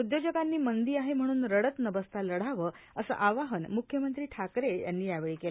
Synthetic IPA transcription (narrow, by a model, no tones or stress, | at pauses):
ud̪jod͡ʑəɡanːiːmənd̪iːaɦem̤əɽ̃uːnɾəɽət̪nəbəst̪ʰaləɽ̤aʋəː | əsə̰ʔaʋaɦənmukʰjəmənt̪ɾiːʈʰakɾeja̰nːiːjaʋeɭiːkela